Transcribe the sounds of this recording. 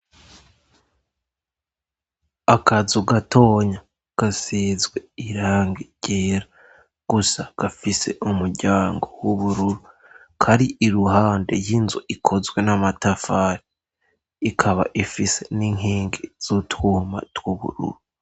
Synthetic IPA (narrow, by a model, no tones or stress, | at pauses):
akazuɡatʰo̞ːɲa | ɡ̥asiːzɡwe̞iɾaːŋɡiɟ̥eːɾa | ɡ̥usaɡ̥afise̞̰ʔumuɾɟaːŋɡo̞wuβuɾuɾu | kʰaɾiʔiɾuɦaːnde̞̰jinzuʔikʰo̞zwe̞namatafaːɾi | ikʰaβa̰ʔifise̞niŋeːŋɡez̥utwuːma̰twuβṵɾṵɾu